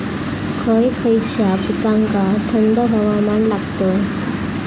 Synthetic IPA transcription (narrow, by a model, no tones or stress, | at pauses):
kʰəjkʰəjt͡ɕʰapikaŋkat̪ʰənd̪əɦəʋamanlakt̪o